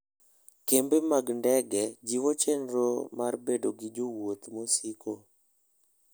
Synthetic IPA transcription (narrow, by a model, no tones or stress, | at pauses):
kembemaɡndɛɡɛd͡ʒiwot͡ʃenɾomarbedoɡɪd͡ʒowot̪mosikʰo